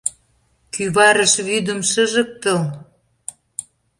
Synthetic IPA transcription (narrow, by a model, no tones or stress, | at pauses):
kyβɑɾəʃβyd̪əmʃəʒə̆k̚t̪əl